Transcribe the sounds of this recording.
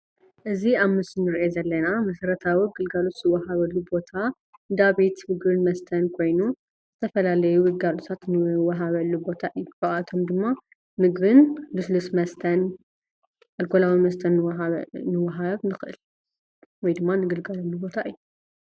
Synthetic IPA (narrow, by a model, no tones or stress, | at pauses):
ʔɨziaβmɨsɨnːɨɾʔezɐlːɐnamɐsɐɾɐt̪ʰawiɡɨlɡalo̞t̪zɨwɐɦaβɐlːubo̞t̪ʰa | d̪aβit̪mɨɡβɨnmɐst̪ʰɐnkʰo̞jnu | z̥ɨt̪ʰɐfɐlalɐjuwɨɡalot̪ʰat̪nɨwɐɦaβɐlːubo̞t̪ʰaʔɨjuɐʔat̪ʰo̞md̪ɨmːa | mɨɡβɨnlɨslusmɐst̪ʰɐn | ɐlkʰolawimɐst̪ʰɐn | nɨwɐɦaβnɨxɨʔɨ̰l | wɔjd̪ɨmːanɨɡɨlɡalɐlːubo̞t̪ʰaʔɨjːu